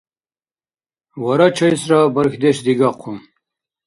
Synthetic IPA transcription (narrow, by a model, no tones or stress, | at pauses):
wɐɾɐt͡ɕʰɐjsɾabɐɾxd̪eɕd̪iɡaqʰum